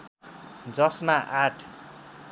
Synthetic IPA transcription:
d͡zʌsmaʔaʈʰ

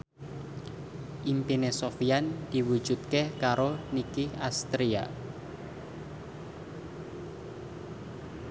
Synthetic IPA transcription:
ʔimpinesofiand̪̥i̤wud̥ʒ̥ṳt̪̚kehkaɾonikihast̪ɾia̰

